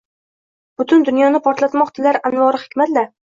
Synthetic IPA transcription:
b̥ʊt̪ʰʊnd̪ʊnjɒnɪpʰɒɾt̪lat̪mɒqt̪ʰɪlaɾanvɒɾɪhɪ̥kʲmat̪d̪a

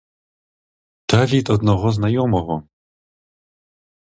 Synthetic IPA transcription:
d̪̥avʲit̪ɔd̪nɔɣɔznajɔmɔɣɔ

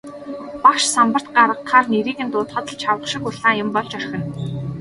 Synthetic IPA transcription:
pakʃsampə̆r̥t̪̚ɢaɾə̆qχaːrneɾiːkɘ̆nt̪ʊːt̪χɔ̆t̪ə̆ɮt͡ɕʰawə̆χʃɪ̆kʊɮaːjʊ̆mpɔɮt͡ɕœrxʲɘ̆n

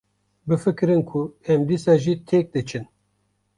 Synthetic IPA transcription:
bɨfɨkɨɾɨnkʰuɛmd̪iːsɑːʒiːt̪ʰɛk̚d̪ɨt͡ʃʰɨn

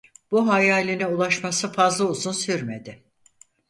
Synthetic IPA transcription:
b̥uɦajaːlʲinɛulˠaʃmasɯfazlˠauzunsyɾme̞d̪ɪ

